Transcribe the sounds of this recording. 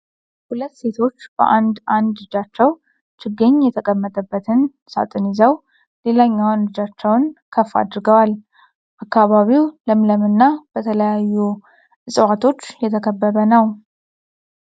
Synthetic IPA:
hulət̪ːse̞t̪ʰo̞t͡ʃːb̥ə̰ʔand̪ʔand̪ɨd͡ʒat͡ʃːɛw | t͡ʃɨɡːəɲːjɛt̪ʰəkʼəmːət̪ʼəbːət̪ʰɨn | sa̰t̪ʼɨnizəw | le̞laɲːawnɨd͡ʒat͡ʃːɛwnkʰəfːa̰d̪ɾɨɡəwal | ʔakːaβaβiwləmləmɨnːab̥ət̪ʰələjajːu | ʔɨsʼwat̪ʰo̞t͡ʃːjɛt̪ʰəkʰəbːəβənəw

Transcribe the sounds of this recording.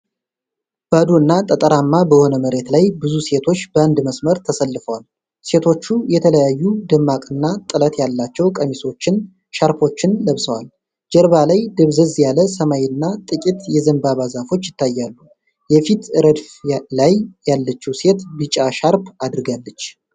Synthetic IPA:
b̥ad̪uɨnːat̪ʼət̪ʼəɾamːabəho̞nəməɾe̞t̪lajbɨzuse̞t̪ʰo̞t͡ʃːbəand̪məsməɾt̪ʰəsəlːɨfəwal | se̞t̪ʰo̞t͡ʃːujɛt̪ʰələjajːud̪ɨmːakʼɨnːat̪ʼɨlət̪jalːat͡ʃːɛwkʼəmiso̞t͡ʃːɪn | ʃaɾpʰo̞t͡ʃːɪnləβsəwal | d͡ʒɛɾβalajd̪əβzəzjaləsəmajnːat̪ʼɨkʼit̪jɛzəmbaβazafo̞t͡ʃːjɪt̪ːajːalːu | jɛfit̪ʰɨɾəd̪flajjalːət͡ʃːiwse̞t̪bɨt͡ʃʼaʃaɾpʰad̪ɾɨɡalːət͡ʃː

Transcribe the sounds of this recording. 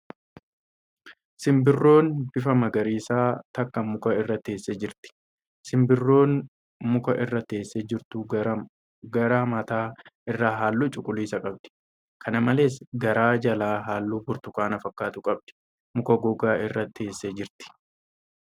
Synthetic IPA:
sɪmbɪrːo̞ːnb̥ɪfɐmɐɡɐɾiːsaːt̪ɐkːɐmʊkɐɪrːɐt̪ːe̞ːsːed͡ʒɪɾt̪ɪ̥ | sɪmbɪrːo̞ːn | mʊkɐʔɪrːɐt̪e̞ːsːeːd͡ʒɪɾt̪ʊ | ɡɐɾaːmɐt̪aːɪrːaːɦaːlːuːt͡ʃʼʊkʼːʊliːsɐkʼɐb̚d̪̥ɛ̥ | kʰɐnɐmɐle̞ːsɡɐɾaːd͡ʒɐlaːɦaːlːuːbʊɾt̪ʊkʼaːnɐfɐkːaːt̪ʊkʼɐb̚d̪̥ɛ̥ | mʊkɐɡɔɡaːʔɪrːɐt̪ːeːsːeːd͡ʒɪɾt̪ɪ̥

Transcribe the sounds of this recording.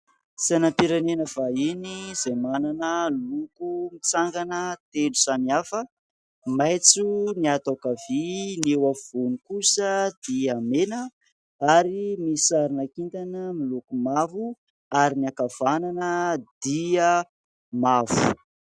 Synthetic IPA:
sanampiɾanenəv̥ainizemananəlukumit͡saŋɡanət̪elusamiafə | majt͡suniat̪akavinewav̥unikusəd̪̥iamenə | aɾimisaɾinakint̪anəmilukumavu | aɾiniakav̥ananəd̪̥iə | mavu

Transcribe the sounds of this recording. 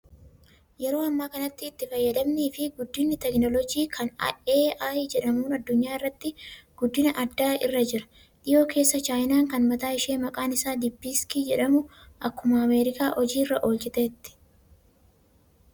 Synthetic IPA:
jɛɾo̞ːɐmːaːkɐnɐt̪ːɪːt̪ːɪfɐjːɐd̪ɐmniːfɪɡʊd̪ːɪnːɪt̪ɛknɔlɔd͡ʒiːkʰɐnɐ̰ʔeːaːjd͡ʒɛᶑɐmuːnɐd̪ːʊɲːaːɪrːɐt̪ːɪɡ̥ʊd̪ːɪnɐʔɐd̪ːaːɪ̰rːɐd͡ʒɪɾɐ̥ | ᶑɪjo̞ːkʰe̞ːsːɐt͡ʃaːjnaːŋkɐnmɐt̪aːɪʃeːmɐkʼaːnɪsaːd̪ɪbːiːskiːd͡ʒɛᶑɐmʊʔɐkːʊmɐːmeːɾɪkaːʔɔd͡ʒiːrːɐʔoːld͡ʒɪt̪eːt̪ːɪ̥

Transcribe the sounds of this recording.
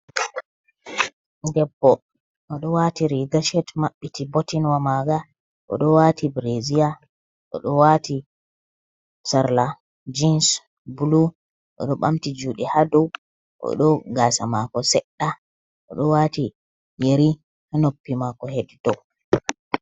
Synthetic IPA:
dɛbːɔ | ʔɔɗɔwatiɾiɡaʃɛtmaɓːitʰibɔtinwamaɡa | ʔɔ̰ɗɔwatʰibɾezija | ʔɔ̰ɗɔwati | saɾla | d͡ʒins | bulu | ʔɔ̰ɗɔɓamtid͡ʒuːɗihadɔw | ʔɔ̰ɗɔɡaːsamakɔsɛɗːa | ʔɔɗɔwati | jeɾi | hanopːimakɔheddɔ

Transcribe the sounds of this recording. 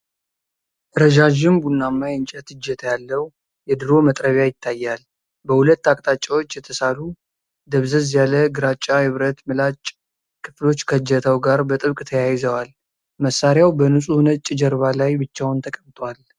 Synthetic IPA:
ʔɨɾəd͡ʒaʒɪmbunːamːajɨnt͡ʃʼɛt̪ɨd͡ʒːɛt̪ʰjalːəhu | jɛd̪ɨɾo̞mət̪ʼɾəβjajɪt̪ʰːajːal | bəhulət̪ːakʼt̪ʼat͡ʃʼawo̞t͡ʃːjɛt̪ʰəsalu | d̪əβzəzjaləɡɨɾat͡ʃʼːahɨβɾət̪mɨlat͡ʃʼ | kʰɨflo̞t͡ʃːkʰəd͡ʒːɛt̪ʰəwɡaɾbət̪ʼɨβkʼt̪ʰəjajɪzəwal | məsːaɾjawbənusʼunət͡ʃʼːɪd͡ʒəɾβalajbɨt͡ʃːawnt̪ʰəkʼəβt̪ʼwal

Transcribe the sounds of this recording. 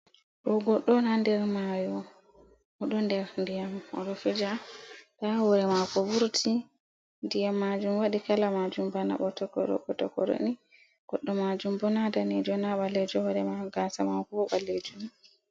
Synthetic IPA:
ɗɔɡɔɗːɔnandɛɾmajɔ | ɔɗɔndɛɾndijamɔ̰ɗɔfɛd͡ʒatawɔɾɛmakɔbuɾtʰi | ndijamːad͡ʒumwaɗikalamad͡ʒumbana̰ɓɔtɔkɔ̰ɾɔ̰ɓɔtɔkɔ̰ɾo̰ni | ɡ̥ɔɗːɔmad͡ʒumbɔnadanɛd͡ʒɔnaɓalːɛd͡ʒɔhɔɾɛmaɡasamakɔbɔɓalːed͡ʒum

